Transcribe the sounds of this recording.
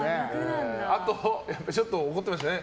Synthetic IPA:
neeat̪ojapːait͡ɕo̞t̪ːooko̞t̪ːemaɕ̬t̪ane

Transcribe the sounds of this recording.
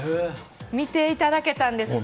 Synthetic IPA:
mit̪eːjt̪aɾaket̪and̪es

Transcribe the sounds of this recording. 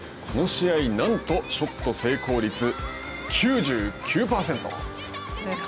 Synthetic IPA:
kʰo̞no̞ɕiainãnt̪o̞ɕo̞t̪ːo̞se̞ːko̞ːɾʲit͡sɨ | kʲʰɨːʑɨːkʲʰɨːpaːse̞nt̪o̰

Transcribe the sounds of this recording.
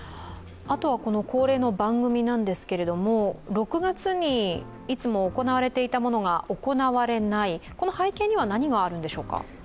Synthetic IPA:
at̪o̞βako̞no̞ko̞ːɾe̞ːno̞bãŋɡɯ̟mʲinãnd̪e̞sɨ̥ke̞ɾe̞d̪o̞mo̞ɾo̞kɯ̟ɡat͡sɨɲ̟i | it͡sɨmo̞ːko̞naβaɾe̞t̪e̞it̪amo̞no̞ɡaʔo̞ko̞naβaɾe̞naiko̞no̞haikẽ̞ɲ̟ːiβ̞anaɲ̟iɡaːɾɯ̟̃nd̪e̞ɕo̞ːka̰

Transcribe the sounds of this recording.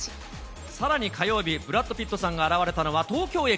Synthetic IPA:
saɾaɲ̟ikʰajo̞ːbʲibɯ̟ɾat̪ːopʲit̪ːo̞sãŋɡaːɾaβaɾe̞t̪ano̞βat̪o̞ːkʲo̞ːe

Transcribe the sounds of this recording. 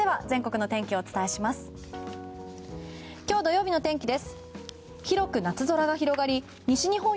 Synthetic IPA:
e̞βazẽ̞ŋko̞kɯ̟no̞t̪ẽ̞ŋkʲio̞ːt͡sɨ̥t̪ae̞ɕimasɨ̥ | kʲo̞ːd̪o̞jo̞ːbʲino̞t̪ẽ̞ŋkʲid̪e̞sɨ̥ | çiɾo̞kɯ̟nat͡sɨzo̞ɾaɡaçiɾo̞ɡaɾʲi | ɲ̟iɕiɲ̟iɦõ̞

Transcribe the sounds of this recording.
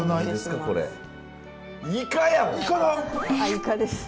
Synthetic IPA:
ɯnaid̪esɨ̥kako̞ɾḛ | ikajaikanaaikad̪es

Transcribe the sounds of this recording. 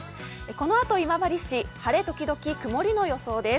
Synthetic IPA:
eko̞no̞at̪o̞imabaɾʲiɕihaɾe̞t̪o̞kʲid̪o̞kʲikɯ̟mo̞ɾʲino̞jo̞so̞ːd̪e̞

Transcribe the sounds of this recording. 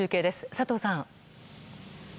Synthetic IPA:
ɨːke̞ːd̪e̞sɨ̥sat̪o̞ːsãŋ̃

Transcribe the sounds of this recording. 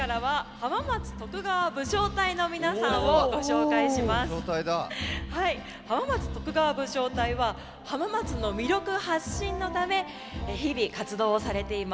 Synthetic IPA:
kaɾaβahamamat͡sɨ̥t̪o̞kɯ̟ɡaβabɯ̟ɕo̞ːt̪aino̞mʲinasãɰ̃oɡo̞ɕo̞ːkaiɕimasoːt̪aid̪ahai | hamamat͡sɨ̥t̪o̞kɯ̟ɡaβabɯ̟ɕo̞ːt̪aiβa | hamamat͡sɨno̞mʲiɾʲjo̞kɯ̟haɕːĩnːo̞t̪ame̞ | çibʲikat͡sɨd̪o̞ːsaɾe̞t̪e̞ima

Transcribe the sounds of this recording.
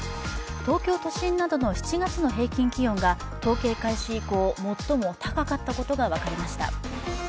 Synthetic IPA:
t̪o̞ːkʲo̞ːt̪o̞ɕĩnːad̪o̞no̞çi̥t͡ɕiɡat͡sɨno̞ɦe̞ːkʲĩŋkʲiɡʲõ̞ŋɡa | t̪o̞ːke̞ːkaiɕiːko̞ːmo̞t̪ːo̞mo̞t̪ʰakakat̪ːako̞t̪o̞ɡaβakaɾʲimaɕi̥t̪a̰

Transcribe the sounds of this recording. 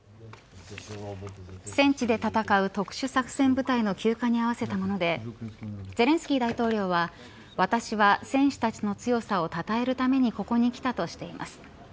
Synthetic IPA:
sẽ̞ɲt͡ɕid̪e̞t̪at̪akaɯ̟t̪o̞kɯ̟̥ɕɨsakɯ̟̥sẽ̞mbɯ̟t̪aino̞kʲɨːkaɲ̟iaβ̞ase̞t̪amo̞no̞d̪e̞ | d͡ze̞ɾẽ̞sɨ̥kʲiːd̪ait̪o̞ːɾʲo̞ːβ̞a | βat̪aɕiβasẽ̞ɰ̃ɕɨ̥t̪at͡ɕino̞t͡sɨjo̞sao̞t̪at̪ae̞ɾɯ̟t̪ame̞ɲ̟iko̞ko̞ɲ̟ikʲi̥t̪at̪o̞ɕi̥t̪e̞imʔa̰sɨ̥

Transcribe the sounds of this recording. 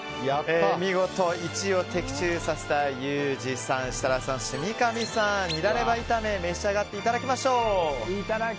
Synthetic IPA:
jaemʲiɡo̞t̪o̞it͡ɕio̞t̪e̞kʲi̥t͡ɕɨːsase̞̥t̪ajɯːʑisãɰ̃ɕi̥t̪aɾasãɰ̃ɕɨmʲikamʲisãɲiɾaɾe̞bait̪ame̞me̞ɕiaɡat̪ːe̞it̪ad̪akʲimaɕo̞ː

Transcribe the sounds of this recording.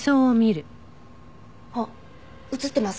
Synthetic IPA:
soːomʲiɾɯ̟ | ho | ɯ̟t͡sɨt̪ːe̞mas

